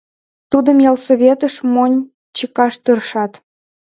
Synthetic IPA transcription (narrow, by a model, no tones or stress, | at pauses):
t̪ud̪ə̆mjɑlˠsoβʲet̪ə̆ʃmonʲ | t͡ɕikɑʃt̪ɯrʃɑt̪